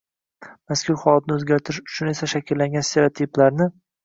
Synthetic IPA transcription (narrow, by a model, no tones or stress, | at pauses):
maskʲʰʊɾhɒlˠat̪ɪnɪɵzɡʲaɾt̪ʰɪɾɪʃʊ̥t͡ʃʰʊne̞saʃakʲʰɪlːaŋɡʲanst̪ʰeɾot̪ʰiplaɾnɪ